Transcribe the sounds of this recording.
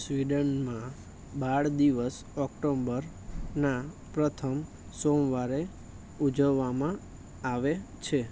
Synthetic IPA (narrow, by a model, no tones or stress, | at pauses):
sʋiɖənmã | baɭd̪iʋəs | ɔkʈombəɾ | na | pɾət̪ʰəm | somʋaɾe | ud͡ʒəʋːamã | aʋet͡ʃʰe